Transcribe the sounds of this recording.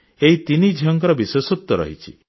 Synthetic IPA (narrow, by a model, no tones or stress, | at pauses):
eɦit̪inid͡ʒʱiɔŋkɔɾɔbiswesɔt̪ːɔɾɔ̰ɦit͡ʃʰḭ